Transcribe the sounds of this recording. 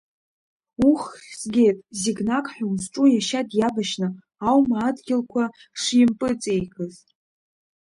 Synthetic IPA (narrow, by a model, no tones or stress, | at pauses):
uχsɡʲe̞tʼziɡnakʼħʷᶣʊnzʈ͡ʂʼujaʃadjabaʃnɨ | awmaːdɡʲɪlkʷʰa | ʂɪmpʼɨt͡sʼe̞jkʰʼɨz